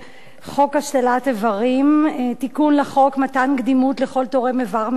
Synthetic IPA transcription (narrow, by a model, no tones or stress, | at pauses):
χo̞khaʃlelatevaʁimtikunleχo̞kmatankd̪imutleχo̞ltoʁemevaʁm